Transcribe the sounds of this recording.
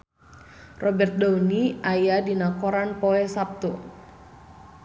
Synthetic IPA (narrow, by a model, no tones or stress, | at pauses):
rɔbɛrt̪̚dauniajadinakɔɾanpoɛsap̚t̪u